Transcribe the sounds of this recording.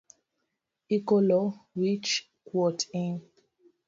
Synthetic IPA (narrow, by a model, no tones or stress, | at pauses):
ikɔlɔɹit͡ʃ | kwɔtĩn